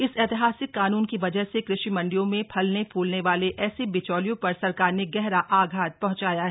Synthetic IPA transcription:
ɪsɛːt̪ɪɦaːsɪkːaːnuːnkiʋɐd͡ʒəɦsekɾɪʃimɐ̃ɳɖijõmẽpʰɐlnepʰuːlneʋaːleʔɛːsebɪt͡ʃɔːlijõpɐɾsɐɾkaːɾneɡɛɦɾaʔaːɡʱaːt̪̚pɐ̃ɦʊ̃ɲt͡ʃaːjaɦɛ

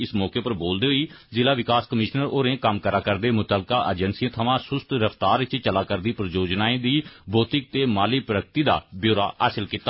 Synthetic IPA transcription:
ɪsmɔːkeːpəɾboːld̪eːɦoiː | zɪːlaːʋɪkaːskəmɪʃnəɾoːɾẽːkəmkəɾaːkəɾd̪eːmʊt̪əːlkaːʔəd͡ʒənsiãːt̪ʰəʋãːsʊst̪ɾəft̪aːɾʋɪt͡ʃt͡ʃəlaːkəɾd̪iːpɾəd͡ʒoːd͡ʒnaːẽːd̪iːbʱoːt̪ɪk̚t̪eːmaːliːpɾəkt̪iːd̪a̰ːbjoːɾa̰ːa̰ːsɪlkiːt̪aː

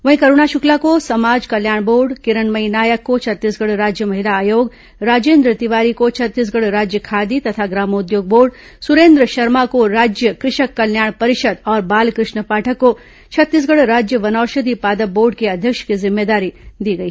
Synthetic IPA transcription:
ʋɐɦĩkɐɾuːɳaʃʊklakosɐmaːd͡ʒkɐljaːɽ̃boːɾɖkɪɾənmɐɦinaːjəkːot͡ʃʰɐt̪ːiːsɡɐɽɾaːd͡ʒjəmɐɦɪlaːjoːɡ | ɾaːd͡ʒeːnd̪ɾət̪ɪʋaːɾikot͡ʃʰɐt̪ːiːs̬ɡɐɽɾaːd͡ʒjəkʰaːd̪it̪ɐt̪ʰaɡɾaːmʊd̪joːɡ̚boːɾɖ | sʊɾẽːnd̪ɾəʃɐɾmakoɾaːd͡ʒjəkɾɪʃəkːɐljaːɽ̃pɐɾɪʃəd̪ɔːɾbaːlkɾɪʃɳəpaːʈʰəkːo | t͡ʃʰɐt̪ːiːs̬ɡɐɽɾaːd͡ʒjəʋɐnɔːɾʃəd̪ipaːd̪əbːoːɾɖkeɐd̪ʱjəkʃkizɪmːeːd̪aːɾid̪iːɡɐiː

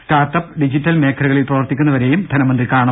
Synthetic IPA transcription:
sʈaːrʈɐpːɖid͡ʑitːɐlme̞ːkʰɐɾuɣɐɭilprɐʋɐrt̪ikʲːunːɐʋɐɾe̞jumd̪ʱɐnɐmɐnd̪rikaːɳɐ

